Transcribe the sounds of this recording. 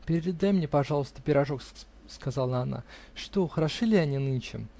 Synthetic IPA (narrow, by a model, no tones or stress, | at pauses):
pʲɪɾʲɪɾʲɪd̪ajmnʲepɐʐɑlˠəst̪əpʲɪɾɐʐok | skazalˠəɐna̰ʂt̪oxəɾɐʂɨlʲɪɐnʲinɨnʲt͡ɕɪ̰m